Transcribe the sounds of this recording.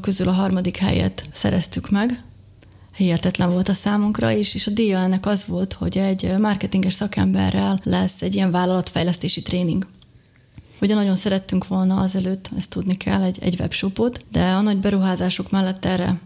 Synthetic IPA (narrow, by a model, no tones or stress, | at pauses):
køzylɒɦɒrmɒd̪ikhɛ̰jɛ̰t̪sɛ̰ɾɛst̪ykmɛɡ | hiɛt̪ɛt̪lɛɱvo̞lt̪ɒsaːmuŋkrɒ̰iʃeːʃɒd̪iːjɒɛnːɛkɒzʋo̞lt̪ho̞̰ɟɛɟmɒrkɛt̪iŋɡɛʃsɒkɛmbɛ̰rːɛlːɛsːɛɟːijɛɱvaːlːɒlɒt̪fɛjlɛst̪eːʃit̪reːniŋɡ | oɟnɒɟo̞nsɛɾɛt̪ːyŋkʋo̞lnɒɒzɛløːt̪ːɛst̪ːud̪nikʰɛ̰lːɛɟɛ̰ɟvɛ̰pʃo̞po̞t̪d̪ɛɒnɒɟbɛɾuɦaːzaːʃo̞kmɛlːɛt̪ːɛrːɛ̰